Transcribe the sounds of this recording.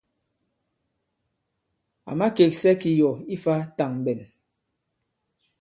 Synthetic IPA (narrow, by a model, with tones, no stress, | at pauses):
a̰˨ma˦ke˨k̚sɛ˦ki˨jɔ˨i˦fa˦ta˨ŋ˨bɛ˨n